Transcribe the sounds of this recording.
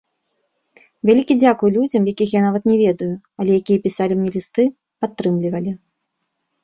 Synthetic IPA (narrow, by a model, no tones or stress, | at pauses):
vʲalʲikʲid͡zʲakujulʲud͡zʲɐmjakʲixjanavɐt̪nʲɛvʲɛd̪ɐju | ɐlʲɛjakʲijɐpʲisalʲimnʲɛlʲist̪ɨ | pat̪ːɾɨmlʲivɐlʲi